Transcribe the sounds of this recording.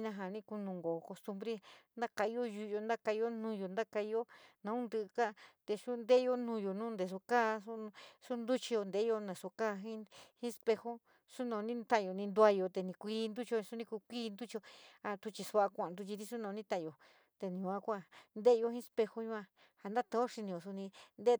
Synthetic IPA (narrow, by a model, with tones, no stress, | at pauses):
nã˧ɦa˨˧nĩ˧ku˧nũ˧ŋɡo˨ko˧st̪u˧mbɾe˦nd̪a˦ka˧i˧˦o˦ʒu˧jo˧nd̪a˦ka˧i˧jo˦nũ˧jo˨nd̪a˦ka˧i˧o˦nã˧ũ˦nd̪ɨ˧ka˦˧t̪e˧su˦nd̪e˦jo˦nũ˧jo˨nũː˦nd̪e˨s̬o˧ka˦u˦su˦nd̪u˦t͡ʃi˧jo˧nd̪e˨˦jo˧nẽ˨so˧kaː˦ɦĩ˦hĩ˦spe˧ho˦ | su˦nõ˧˨˧nĩ˦t̪a˦˨jo˨nĩ˧nd̪u˧a˧jo˧˨t̪e˧nĩ˧kʷiː˧˦nd̪u˦t͡ʃi˧o˧u˧nĩ˧ku˧kʷiː˦nd̪u˦t͡ʃi˧o˧a˧t̪u˧t͡ʃi˧su˧a˧kʷã˨˧nd̪u˧t͡ʃi˧t̪i˦˧su˦nõ˧nĩ˦t̪ã˦˧˨jo˨ | t̪e˧nĩ˧ã˦˧kʷa˧nd̪e˦˧jo˧hĩ˦˧spe˧ho˦ɲũ˧˦ã˧ | ha˨nd̪a˦t̪ã˧o˦ʂi˧nĩ˧jo˨su˧nĩ˧nd̪e˦˧